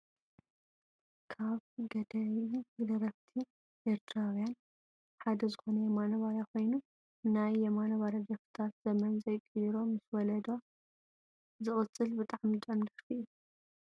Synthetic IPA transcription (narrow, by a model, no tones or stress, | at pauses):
kʰaβɡɐd̪ɐwilɐɾɐβt̪ʰi | ʔeɾt̪ʰɾawjan | ħad̪ɐzɨxo̞nɐjɐmanoβaɾakʰo̞jnu | najːɛmanoβaɾad͡ʒɐft̪ʰat̪z̥ɐmɐnzɐjkʼɨjɾo̞mɨswɔlɐd̪o | zɨχʼɨt͡sʼːɨlbɨt̪ʼaʕmid̪ʼɐmd̪ɨfiʔ